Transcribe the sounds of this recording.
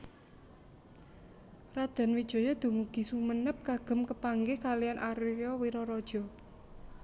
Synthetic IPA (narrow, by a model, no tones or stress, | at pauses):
rad̪̥a̤nwid̥ʒ̥ɔ̤jɔd̪̥ṳmuɡ̥i̤sumənəp̚kaɡ̥ə̤mkəpaŋɡɪhkalijanʔaɾɔwiɾɔɾɔd̥ʒ̥ɔ̤